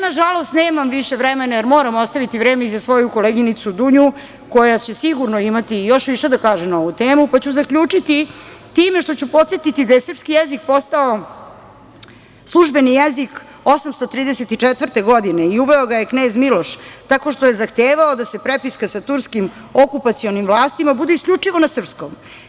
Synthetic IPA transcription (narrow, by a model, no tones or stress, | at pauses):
naʒalo̞st̪neːmamʋiʃe̞ʋɾɛme̞najeɾmo̞ːɾamost̪aʋit̪iʋɾeːmeizasʋo̞juko̞leɡinit̪sud̪uɲu | ko̞jat͡ɕe̞siɡuɾnoimat̪ijo̞ʃʋiʃe̞d̪akaːʒemnao̞ʋut̪eːmupat͡ɕuzakʎʲuːt͡ʂit̪it̪ime̞ʃt̪o̞t͡ɕupo̞t̪set̪it̪id̪ajesr̩pskijezik̚po̞st̪ao̞ | slˠuʒbe̞nijezik | o̞samst̪ot̪ɾiːd̪eset̪it͡ʂet̪ʋr̩t̪eɡo̞d̪ine̞iuʋeo̞ɡajekne̞ːzmilo̞ʃt̪ako̞ʂt̪oje̞zaxt̪eːʋaod̪ase̞pɾepiskasat̪uɾskim | okupat̪sio̞nimʋlˠaːst̪imabud̪eiskʎʲut͡ʂiʋo̞nasr̩pskom